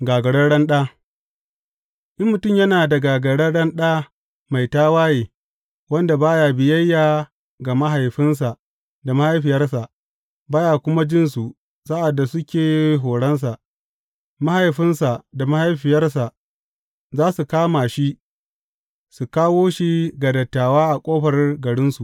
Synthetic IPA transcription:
ɡaː˨ɡɐ˨ɽɐ˦ɽɐ˦nɗaː˦ | ʔɪ˦mːʊ˨tʊ˦˨mjɐ˦naː˨da˨ɡaː˨ɡɐ˨ɽɐ˦ɽɐ˦nɗaː˦ | ma˨jtaː˦waː˦jeː˨ | wɐ˦nda˨baː˦jaː˨bɪ˨jɐ˦jːaː˨ | ɡa˨ma˦ɦa˨jɸɪ˦ns̬a˨ | da˨ma˦ha˦jɸɪ˨jɐ˦rsa˨ʔ | baː˦jaː˨kʷʊ˦ma˦d͡ʒɪ˦nsu˨ʔ | sa˦ʔa˨dːa˨sʊ˦kʲeː˨ɦoː˨ɽɐ˦ns̬a˨ʔ | ma˦ha˨jɸɪ˦nsa˨da˨ma˦ha˦jɸɪ˨jɐ˦rsa˨ʔ | zaː˦su˨kaː˦maː˨ʃi˦ | su˨kaː˦woː˦ʃi˦ɡa˨dɐ˨tːaː˨waː˦ʔa˨kʷʼoː˦ɸɐ˨rɡɐ˨ɽɪ˦nsu˨

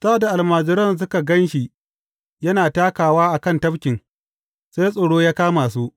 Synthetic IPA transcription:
saː˦˨da˨ʔa˨lmaː˨d͡ʒɪ˨ɾɐ˦ns̬ʊ˦ka˨ɡɐ˦nʃi˨ | jɐ˦naː˨taː˦kaː˨waː˦ʔa˨kɐ˦˨ntɐ˦bkʲɪ˨ŋ | se˦jsʼoː˨ɽoː˦jaː˦kaː˦maː˨s̬uː˦ʔ

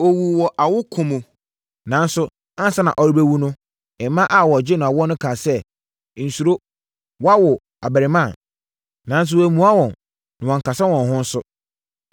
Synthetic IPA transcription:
o˨wu˨wɔ˨ʔa˨wʊ˦kʰʊ̃˦mʊ̃˨ | nã˨n̩˦sʊ˦ | a˦n˦sa˦nã̰˨ʔɔ˨ɾi˦bæ˦wu˦nʊ̃˦ | ɛ˨mːã˦ʔa˦˨wɔ˨d͡ʑɪ˦nʊ̃˨a˨wɔ˦nʊ̃˦kʰa˨sɛ˦˨ | n̩˨su˨ɾo˦ | wɔ˦a˦wɔ˨ | a˨bæ˨ɾɪ˨mã˦˨ | nã˨n̩˦s̬ʊ˦wæ˨mũ˨a˦wɔ̃˨n | nã˨wɔ̃˨ŋ̩˨ka˨sa˦wɔ̃˨nɦʊ̃˦n̩˦sʊ˦

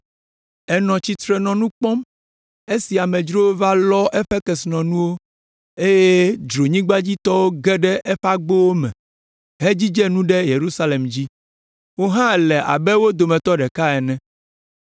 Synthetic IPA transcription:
ɛ˨nɔ̃˨t͡ɕi˨t̪ɾɛ˨nɔ̃˨nũ˦k͡pɔ̃˦m | e˦si˨a˨mɛ̃˨d͡ʒɾo˦wo˦va˦lɔ˦ʔɛ˦ɸɛ˦kɛ˨snɔ̃˨nũ˦wo˦ | e˦je˦d͡ʒɾo˨ɲĩ˦ɡ͡ba˦d͡ʑi˦t̪ɔ˦wo˦ɡɛ˦ɖɛ˦ʔɛ˦ɸa˦ɡ͡bo˦wo˦mɛ̰̃˨ | ɦe˦d͡ʑi˦d͡ʒɛ˦nũ˦ɖɛ˦je˨ɾu˦sa˦le˨md͡ʑi˦ | wo˦ɦã˦˨lɛ˨ʔa̰˨bɛ˦wo˦d̪o˨mɛ̃˨t̪ɔ˦ɖɛ˨ka˦ɛ˨nɛ̃˦

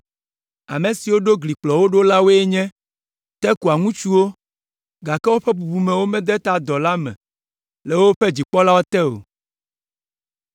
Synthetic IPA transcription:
a̰˨mẽ˨si˨wo˦ɖo˦ɡli˨k͡plɔ˨wo˦ɖo˦la˦wo˦e˦ɲɛ̃˦ | t̪ɛ˦ku˨a˨ŋũ˦t͡ʃu˦wo˦ | ɡa˨kɛ˦wo˦ɸɛ˦bu˨bu˨mɛ̃˨wo˦mɛ̃˦d̪ɛ˦t̪a˦d̪ɔ˨la˦mɛ̰̃˨ | le˨wo˦ɸɛ˦d͡ʑi˨k͡pɔ˦la˦wo˦t̪ɛ˦o̰˨

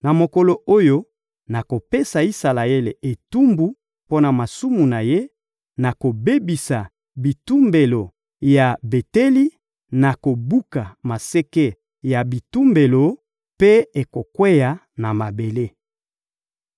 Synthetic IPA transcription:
na˨mo˨ko˨lo˨o˦jo˦ | na˨ko˨pe˦sa˨i˦sa˨la˨e˦le˨ʔe˨tu˦mbu˦ | po˦na˨ma˨su˦mu˨na˨je˦ | na˨ko˨be˦bi˨sa˨ | bi˨tu˦mbe˨lo˨ | ja˨be˨te˦li˦ | na˨ko˨bu˦ka˨ma˨se˦ke˦ | ja˨bi˨tu˦mbe˨lo˨ | pe˦e˨ko˨kwe˦ja˨ | na˨ma˨be˨le˦

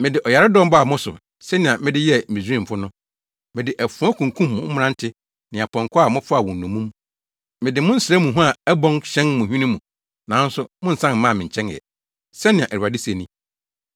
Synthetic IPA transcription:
mɪ̃˨dɪ˨ʔɔ˨ja˨ɾɪ˦dɔ̃˦m˦ba˦a˨mʊ̃˦sʊ̰˨ | sɛ˦nɪ̃˨a˨mɪ̃˦dɪ˦jɛ˦mĩ˨sĩ˦m̩˨fʊ˦nʊ̃˦ | mɪ̃˨dɪ˨ʔɛ˨fũ˨˦ɔ̃˦kʰũ˨ŋ˨kʰũ˦mːʊ̰̃˨˦m̩˦m˦ɾã˦n˦tʰɪ˦ | nɪ̃˨a˨pʰɔ̃˨ŋkʰʊ˦a˦˨mʊ̃˦pʰʊ˦a˨wɔ̃˨n̩˨nũ˨mũ˦m | mɪ̃˨dɪ˨mʊ̃˦n̩˦sɪ˨ɾɛ˦mũ˨ɦũ˦a˨ɛ˦bɔ̃˦ŋɕɛ̃˦nmʊ̃˨ɦᶣi˦nĩ˦mũ˨ | nã˨˦n̩˦sʊ˦mʊ̃˦n̩˨sã˦n˨mã˦˨mɪ̃˨ɲ̩˨t͡ɕʰɛ̃˦ŋ˨ɛ̰˨ | sɛ˦nɪ̃˨a˨ʔæ˨u˨a˨dɪ˦se˨nĩ˦

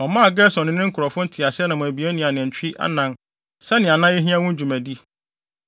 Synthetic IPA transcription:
ɔ̃˨mãː˦˨ɡɛ˦sɔ̃˨nɪ̃˨nɪ̃˦ŋ̩˦kʰʊ˨ɾɔ˨fʊ̃˦n̩˦tʰi˨a˨sɪ˦ɛ˦nã˨mʊ̃˨æ˨bi˨e˦nɪ̃˨a˨nɪ̃˨t͡ɕᶣi˦ʔa̰˦nã˦n | sɛ˦nɪ̃˨a˨nã˦je˦ɦĩ˦ã˦wʊ̃˦n˦d͡ʑu˨mæ̃˨di˦

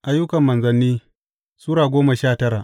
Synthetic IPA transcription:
ʔa˦jʊ˦kɐ˨mːɐ˨nzɐ˨nːiː˦ | suː˦ɽaː˨ɡʷoː˦mɐ˨ʃaː˦˨tɐ˦ɾa˨ʔ

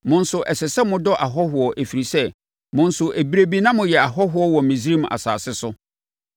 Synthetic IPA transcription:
mʊ̃˦n̩˦sʊ˨ʔɛ˨sɛ˨sɛ˦mʊ̃˦dɔ˦ʔa˨ɦɔ˦ɦʊ˨ɔ˨ʔæ˨fi˨ɾi˨sɛ˦ | mʊ̃˦n˦sʊ˨ʔæ˨bi˦ɾe˦bi˦nã˦mʊ̃˨jɛ˨a˨ɦɔ˦ɦʊ˨˦ɔ˦wɔ˨mɪ̃˨zi˦ɾi˦m˨a̰˨sa̰ː˨sɪ˦sʊ˦

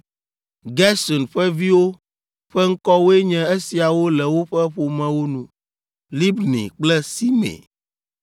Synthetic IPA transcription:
ɡɛ˦sɔ˨nɸɛ˦vi˦wo˦ | ɸɛ˦ŋ̩˦kɔ˦wo˦e˦ɲɛ̃˦e˦si˨a˨wo˦lɛ˨wo˦ɸɛ˦ɸo˨mɛ̃˨wo˦nũ˦ | li˦bnḭ̃˨k͡plɛ˦si˦mḛ̃˨

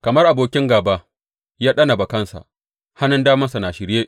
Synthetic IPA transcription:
kɐ˨mɐ˦rʔa˨boː˨kʲɪ˦ŋɡaː˨baː˦ | jaː˦ɗɐ˦nɐ˨ba˨kɐ˦nsa̰˨ʔ | ha˦nʊ˦ndaː˦mɐ˦nsa˨na˨ʃɪ˨ɾjeː˦ʔ

